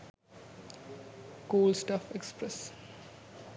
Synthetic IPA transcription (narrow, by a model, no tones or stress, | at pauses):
koːlsʈafekspɾes